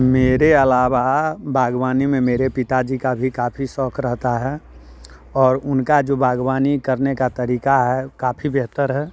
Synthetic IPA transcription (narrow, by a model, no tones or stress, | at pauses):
meːɾeəlaːwabʱaːɡʋaːnimẽmeːɾepɪt̪ad͡ʒikabʱikaːpʰisɔːkʰɾəɦt̪aɦɛː | ɔːɾʊnkad͡ʒoːbʱaːɡwaːnikəɾnekat̪əɾiːkaɦɛkaːpʰibɛɦt̪əɾɦɛː